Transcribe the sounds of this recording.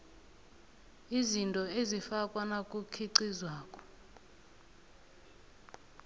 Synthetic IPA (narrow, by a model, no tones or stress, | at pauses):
izintʼɔezifakʼwanakʼukʰiǀizwaːkʼɔ̥